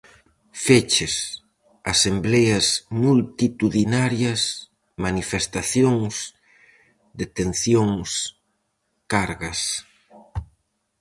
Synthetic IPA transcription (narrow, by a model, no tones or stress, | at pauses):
fet͡ʃes | a̰semblejɐsmult̪it̪uðinaɾjɐs | manifest̪aθjoŋs | d̪et̪enθjoŋs | kaɾɣɐs